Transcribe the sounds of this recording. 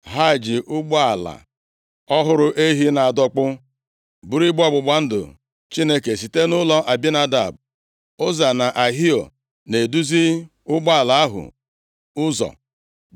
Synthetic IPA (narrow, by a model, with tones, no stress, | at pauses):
ɦa˦˨d͡ʒi˨ʔʊ˦ɡ͡ba˦a˨la̰˨ | ɔ˦ɦʊ˦ɾʊ˦ʔe˦ɦi˦na˨a˨dɔ˦k͡pʊ˦ | bu˦ɾi˦ɡ͡bɔ˦ɡ͡bʊ˨ɡ͡ba˨n̩˦dʊ̰˨ | t͡ʃi˦ne˦ke˨s̬i˨te˦nʊ˦lɔ˦ʔa˨bi˦na˦da̰˨b | ʊ˦za˨na˨ʔa˨ɦi˦o˨ | ne˨du˦zi˦ | ʊ˦ɡ͡bɔ˦a˨la˨a˦ɦʊ̰˨ | ʊ˦zɔ̰˨